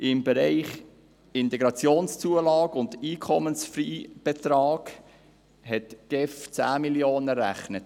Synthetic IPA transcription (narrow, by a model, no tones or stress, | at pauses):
ʔɪmbɛɾaɪχ | ɪntɛɡɾɑt͡sjoːnst͡suəlɑːɡʊndiːkʰɔmənsfɾiːb̥ɛt̪ɾɑːɡ̥ | ɦɛtɡ̥ɛft͡sæ̰ːmiljoːnəɾæ̰χnət